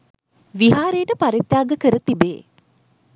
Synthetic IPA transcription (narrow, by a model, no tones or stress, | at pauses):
ʋiɦaːɾeːʈəpaɾit̪jaːɡəkəɾət̪ibeː